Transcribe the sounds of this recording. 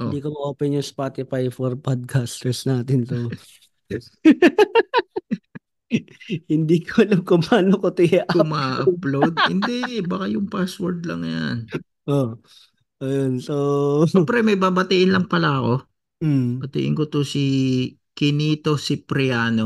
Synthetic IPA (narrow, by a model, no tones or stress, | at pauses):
ʔod̪iːkomɐʔoːpɛnjʊŋspaːt̪ɪfajfɔɾpad̪̚kʰast̪ɛsnaːt̪ɪnt̪o | hɪnd̪iːkolɐmkʊmaːnokot̪ɪjaʔkʊmaʔɐplod̪̚hɪndd̪ɛbɐkajʊŋpaswoɹd̪lɐ̰ŋja̰n | ʔo | ʔɐjonsoɛpɾɛmɐjbaːbɐt̪iʔɪnlɐŋpɐlaɐko̞ | bɐt̪ɪ̰ʔɪ̰nkot̪osi | kɪniːt̪o̞sɪpɾɪaːno